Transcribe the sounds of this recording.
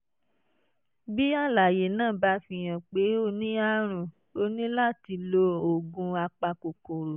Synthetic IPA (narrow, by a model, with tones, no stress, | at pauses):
bi˦a˦˨la˨je˨nãː˦˨ba˧˦fĩ˧j̃ã˨k͡pe˨˦o˦nĩ˦a˦ɾ̃ũ˦˨ | o˧nĩ˦la˦˨ti˧lo˧o˨ɡũ˧a˧k͡pa˧ko˨ko˨ɾo˨